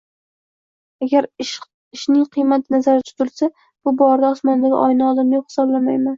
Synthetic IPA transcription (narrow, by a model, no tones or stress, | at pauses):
aɡʲaɾʃ | ɪʃnɪŋqʰɨjmat̪ʰnazaɾɪt̪ʰʊ̥zɪlsa | b̥ʊbɒɾd̪aɒsmɒnd̪aɡ̰ʲʔɒjnaɒd̪amajopχɨ̥sɒblamajman